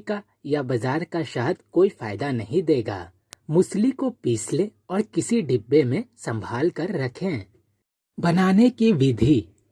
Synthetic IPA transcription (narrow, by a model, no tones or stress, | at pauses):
ka | jabɐzaːɾkaʃɐɦd̪koːifa̰ːɪd̪anɐɦĩd̪eːɡa̰ː | mʊslikopiːsle | ɔːɾkɪsiɖɪbːemẽsɐ̃mbʱaːlkɐɾːɐkʰẽ | bɐnaːnekiʋɪd̪ʱi